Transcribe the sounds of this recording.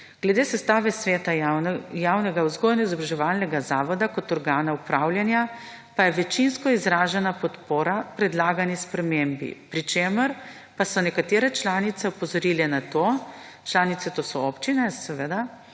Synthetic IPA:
ɡ̥lɛd̪eːsɛst̪aːʋɛsʋeːt̪ajawnɛɡawzɡojɛnaizɔbɾaʒɛʋaːlnɛɡazaːʋɔd̪akɔt̪ɔɾɡaːnaupɾaːwljanja | pajɛʋɛt͡ʃinskɔizɾaːʒɛnapɔt̪poːɾapɾɛd̪laːɡanispɾɛmembḭpɾit͡ʃeːməɾ | pasɔnɛkat̪eːɾɛt͡ʃlaːnit̪sɛupɔzɔɾilɛnat̪oː | t͡ʃlaːnit̪sɛt̪oːsɔɔpt͡ʃinɛsɛʋed̪a

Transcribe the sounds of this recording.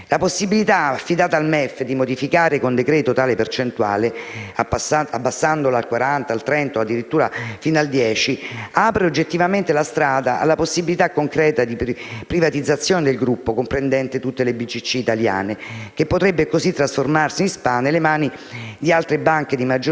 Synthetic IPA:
laposːibilit̪aafːid̪aːt̪aːlmɛfːd̪imod̪ifikaːɾekond̪ekɾɛːt̪ot̪aːlepert͡ʃent̪ua̰ːleaabːasːand̪olaːlkwaɾant̪aːlt̪ɾɛnt̪oad̪ːiɾit̪ːuːɾafinald̪jɛːt͡ʃiapɾeod͡ʒːet̪ːivament̪elast̪ɾaːd̪aa̰lːaposːibilit̪akːoŋkɾɛːt̪ad̪ippɾivat̪id̪zːat̪sːjoːned̪elɡɾupːokompɾend̪ɛnt̪et̪ut̪ːelebit͡ʃːit͡ʃːiːt̪alja̰ːnek̟epːot̪ɾɛbːekozit̪ːɾasformarsinspaːnːelemaːni | d̪ialt̪ɾebaŋk̟ed̪imad͡ʒo

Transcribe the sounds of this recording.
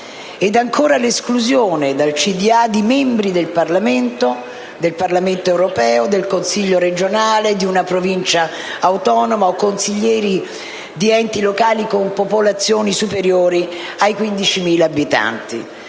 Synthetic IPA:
ɛd̪aŋkʰoːɾaleskluzjoːned̪alt͡ʃid̪iad̪imɛmbɾid̪elparlament̪o | d̪elparlament̪oɛwɾopɛːod̪elkonsiʎːoɾed͡ʒonaːled̪iunapɾovint͡ʃaː | wt̪ɔːnomaokːonsiʎːɛːɾi | d̪iɛnt̪ilokaːlikompopolat̪sːjoːnisupeɾjoːɾiajkwind̪it͡ʃimiːlaːbit̪a̰nt̪ḭ

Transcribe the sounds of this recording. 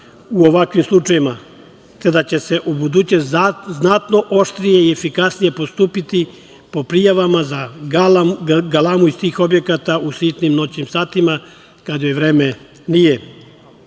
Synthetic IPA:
uo̞ʋakʋimslˠut͡ʃajima | t̪e̞d̪at͡ɕe̞se̞ʔubud̪ut͡ɕeznat̪no̞ʔo̞ʃt̪ɾijeiefikasnije̞po̞st̪uːpit̪i | po̞pɾijaʋamaza | ɡalˠamuist̪iːxo̞bje̞kat̪ausiːt̪nimno̞t͡ɕnimsaːt̪ima | kad̪jojeʋɾeːme | nije

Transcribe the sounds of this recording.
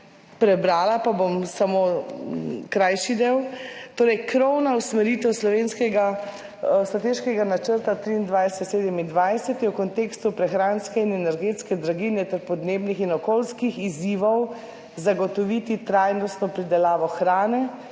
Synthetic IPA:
pɾɛbɾaːlapabomsamo | kɾajʃid̪eːwt̪oːɾɛjkɾɔwnausmɛɾit̪ɛwslɔʋeːnskɛɡa | st̪ɾat̪eʃkɛɡanat͡ʃəɾt̪at̪ɾiːnd̪ʋajsɛt̪seːd̪ɛmind̪ʋajsɛt̪jɛwkɔnt̪eːkst̪upɾɛxɾaːnskɛinɛnɛɾɡet̪skɛd̪ɾaɡinɛt̪ɛɾpɔd̪neːbnixinɔkoːlskixiziʋɔw | zaɡɔt̪ɔʋit̪it̪ɾajnɔst̪nɔpɾid̪ɛlaːʋɔxɾaːnɛ

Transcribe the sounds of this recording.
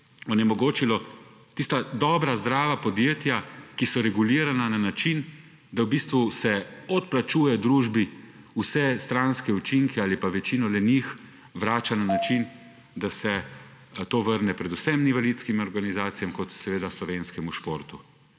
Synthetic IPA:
ɔnjɛmɔɡoːt͡ʃilɔt̪ist̪ad̪ɔbɾazd̪ɾaːʋapɔd̪jeːt̪jakisɔɾɛɡuliːɾanananat͡ʃin | d̪awbiːst̪ʋusɛɔt̪plat͡ʃuːjɛd̪ɾuʒbi | usɛst̪ɾanskɛut͡ʃiŋkʰɛaːlipaʋɛt͡ʃinɔlɛnix | ʋɾaːt͡ʃananat͡ʃin | d̪asɛ | t̪oːʋəɾnɛpɾɛd̪usɛmniʋalit̪skimɔɾɡanizaːt̪sijamkɔt̪sɛʋeːd̪aslɔʋenskɛmuʃpoːɾt̪u

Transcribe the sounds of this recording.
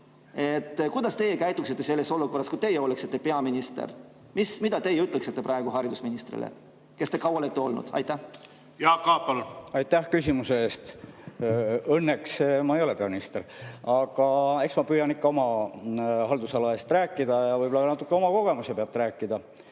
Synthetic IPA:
e̞t̪ːkujd̪ɑst̪e̞jekæjt̪ːˑuksit̪ːe̞se̞lːe̞so̞luko̞rːɑskujt̪e̞jeo̞leksit̪ːepe̞ɑminist̪ḛr | mismid̪̥ɑt̪e̞jeyt̪ːˑleksit̪ːe̞prɑeɡ̥uɦɑɾid̪usminist̪rḭlḛ | kest̪ekɑwɑlet̪ːˑeo̞̰lnṵd̥̪ɑ̰jt̪ːˑæh | jɑːkɑpɑluɑjt̪ːæhkysʲimuseeːst̪ | ɤnːeksmɑejo̞lepeɑminist̪eɾɑɡ̥ɑe̞ksmɑpyːjɑnikːɑo̞mɑ | hɑld̪usɑlɑe̞ːst̪ræːkːˑid̪ɑjɑvɤjbolɑɑnɑt̪ːˑukːeomɑko̞ɡ̥e̞musepeɑt̪ːeɾæːkˑːid̪̥ɑ

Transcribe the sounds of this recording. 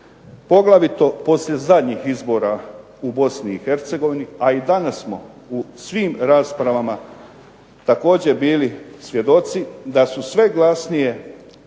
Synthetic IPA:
po̞ɡlaʋit̪o̞po̞sʎʲe̞zad̪ɲixizbo̞ːɾa | ubo̞sniːxe̞ɾt̪se̞ɡo̞ʋiniaid̪anasːmo̞̰ | usʋiːmɾaːspɾaʋama | t̪ako̞ːd͡ʑe̞biːlisʋje̞d̪o̞t̪sid̪asusʋe̞ɡlasnije̞

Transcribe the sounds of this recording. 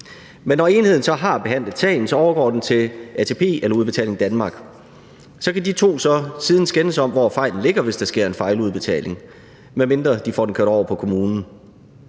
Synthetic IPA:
menːɒe̝ːnhe̝ð̞̰ˠn̩sɒ̽ɦɑ̈b̥e̝ɦæn̰lð̩ˠsʰɛ̰ːn̩sɒ̽ɒʊɐɡ̥ɒ̰ːd̥ent͡sʰe̝læt͡sʰe̝ːpʰe̝̰ːelɐuðˠb̥eɛ̰le̝ŋd̥ænmɑ̈ːɡ̥ | sɒ̽kʰædit͡sʰo̝̰ːsɒ̽siːð̞ˠn̩sɡ̥enəsɒ̽m̰ʋɒfɑ̈ɪ̰ln̩le̝ɡ̥ɐʋe̝sd̥ɑ̈sɡ̥e̝ɐ̰e̝nfɑ̈ɪluð̞ˠb̥e̝t͡sʰɛ̰ːle̝ŋ | meme̝nd̥ʁɐd̥ifɒ̰ːden̩kʰø̰ɐ̥ɒʊɐpʰɒ̽kʰo̝muːnn̩

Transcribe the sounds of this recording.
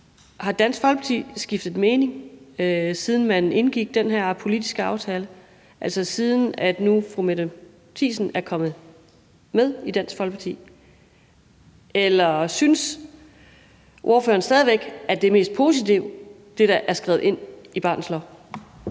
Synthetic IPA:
hɑ̈d̥æn̰sɡ̥fɒ̽l̥pʰɑ̈t͡sʰḭsɡ̥ifd̥ð̩ˠme̝ːne̝ŋ | siːð̞ˠn̩mæne̝nɡ̥iɡ̥̚d̥enɦeɐ̰pʰo̝lid̥i̥sɡ̥əɑ̈ʊt͡sʰɛːlə | ʔæl̰sɒsið̞ˠn̩æd̥nufʁumed | t͡sʰḭːsn̩æɐkʰɒ̽mð̩ˠ | með̞ˠid̥æn̰sɡ̥fɒ̽l̥pʰɑt͡sʰḭː | elɐsyns | ʔo̝ɐfø̰ːɐn̩sd̥ɛːðˠiʋeɡ̥æd̥e̝me̝̰ːsd̥̚pʰo̝sit͡sʰiʊ | d̥e̝ɾ̥ɑʔæɐsɡ̥ʁɛːð̩ˠe̝n̰ib̥ɑ̈ːnslɒ

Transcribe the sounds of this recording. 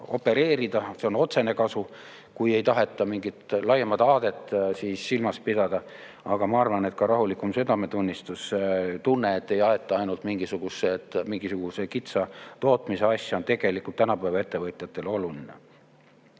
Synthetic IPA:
o̞pːe̞ɾe̞ːɾid̪̥ɑse̞o̞no̞t̪se̞ne̞kɑsu | kuje̞jt̪ɑɦe̞t̪ːˑɑmiŋɡit̪lɑjemɑd̪ɑːd̪̥e̞t̪ːˑsiːsːilmɑspid̪̥ɑd̪̥ɑ | ɑɡ̥ɑmɑɑrvɑne̞t̪kɑɾɑɦulikːˑumse̞d̪ɑme̞t̪unʲːist̪uset̪unːe̞et̪ːe̞jɑe̞t̪ˑːɑɑjnult̪miŋɡ̥isuɡ̥uset̪miŋɡ̥isuɡ̥use̞kit̪sɑt̪o̞ːt̪ˑmise̞ɑsʲjɑont̪e̞ɡ̥e̞likult̪ːænɑpæjvɑe̞t̪ːe̞vɤt̪ʲˑjɑt̪ːˑe̞lo̞lulinḛ

